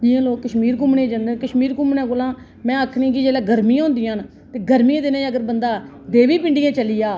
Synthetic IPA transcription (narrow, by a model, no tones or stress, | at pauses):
d͡ʒɪjãːloːkːəʃmiːɾk̬ʊmɳẽːd͡ʒãːnd̪eːkəʃmiːɾkʊmnãːkolãː | mɛ̃ːaːkʰnĩːkɪd͡ʒeːlaːɡəɾmiːãːnd̪ɪjãːn | t̪eːɡəɾmiːãːd̪eːnãːəɡəɾbənd̪aː | d̪eːʋiːpɪ̃ɳɖɪjãːt͡ʃəlɪjaː